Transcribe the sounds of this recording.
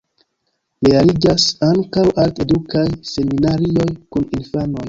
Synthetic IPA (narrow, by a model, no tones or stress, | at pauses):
lealid͡ʒasaŋkawaltedukajse̞minaɾio̞jkuninfano̞j